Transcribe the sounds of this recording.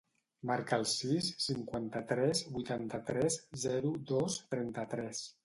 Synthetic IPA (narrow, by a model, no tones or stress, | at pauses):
maɾkəːlˠsisːiŋkwant̪ət̪ɾɛzbujt̪ant̪ət̪ɾɛzzɛɾud̪ost̪ɾɛnt̪ət̪ɾɛs